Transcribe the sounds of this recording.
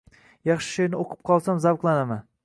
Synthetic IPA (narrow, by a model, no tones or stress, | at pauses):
jɑχʃɪ̥ʃojnɪoqʰɨ̥p̚qʰɒlˠsamzavqlˠanaman